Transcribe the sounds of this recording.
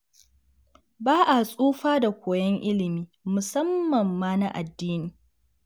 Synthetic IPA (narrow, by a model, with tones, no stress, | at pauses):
baː˦ʔa˨sʼuː˦ɸaː˦da˨kʷoː˨jɐ˦ŋʔɪ˦lɪ˨miː˦mʊ˨sɐ˦mːɐ˨mːaː˦na˦ʔa˨dːiː˦niː˨